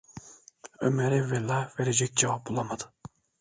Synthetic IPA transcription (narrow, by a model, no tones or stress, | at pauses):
ømɛɾɛvɛlːaveɾed͡ʒɛc̚ʲd͡ʒevap̚bulˠamad̪ɯ̥